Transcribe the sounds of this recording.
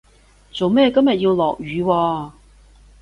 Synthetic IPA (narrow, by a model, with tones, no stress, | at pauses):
t͡so˨wmɛː˥˩kɐ˥mjɐ˨t̚ji˧wlɔː˨k̚jyː˨˧wɔː˧